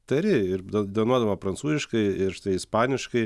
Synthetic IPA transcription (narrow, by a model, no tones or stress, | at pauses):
t̪ɐɾʲɪɪɾd̪ɐd̪ɐʋɐnuɔd̪ɐʋmɐpɾɐnt̪suːzʲɪʃkɐɪɪɾt̪ɐɪɪspɑːnʲɪʃkɐɪ